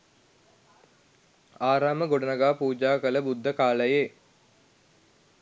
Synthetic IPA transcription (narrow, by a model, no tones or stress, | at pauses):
aːɾaːməɡoɖənəɡaːpuːd͡ʒaːkələbud̪ʱːəkaːləje